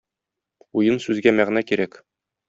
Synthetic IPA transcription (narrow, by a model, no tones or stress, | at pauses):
ujɤnsʉzɡæmæʁnækiɾæk